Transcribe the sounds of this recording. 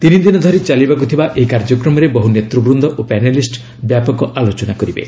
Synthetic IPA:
t̪inid̪inɔd̪ʱɔɾit͡ʃalibakut̪ʰibaʔeikaɾd͡ʒɔkɾɔmɔɾebɔɦunet̪ɾɔbɾund̪ʱɔʔopɛnelisʈ | bjapɔkɔʔalot͡ʃɔnakɔɾibḛ

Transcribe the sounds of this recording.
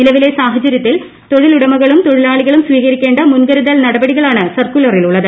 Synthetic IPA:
nilɐʋile̞saːɦɐd͡ʑɐɾjɐt̪ːil | t̪o̞ɻiluɽɐmɐɣɐɭumt̪oɻilaːɭiɣɐɭumsʋiːɣɐɾikʲːe̞ːɳɖɐmunɡɐɾuðɐlnɐɽɐbɐɽiɣɐɭaːɳɨsɐrkulɐriluɭːɐðɨ

